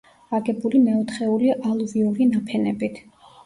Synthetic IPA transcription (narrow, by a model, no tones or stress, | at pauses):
aɡɛbulimɛɔt̪ʰχɛuliʔalˠviuɾinapʰɛnɛbit̪ʰ